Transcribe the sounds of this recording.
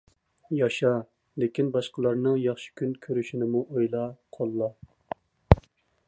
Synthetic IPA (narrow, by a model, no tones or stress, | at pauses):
jɑʃɑ | lekʲinbɑʃqəlˠɑɾnɨŋjɑχʃi̥kʲʰynkʲʰøɾyʃinɪmuʔojlˠɑqʰolˠːɑ